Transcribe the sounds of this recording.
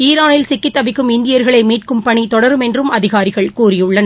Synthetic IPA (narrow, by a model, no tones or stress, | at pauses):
iːɾaːnɪlsɪkːɪt̪ːɐbɪkːɯmɪnd̪ɪjɐɾɣɐɭɐɪmiːʈ̚kɯmpɐɳit̪ɔɽɐɾɯmɛndrɯmɐðɪɣaːɾɪɣɐɭkuːrɪjɯɭːɐnɐ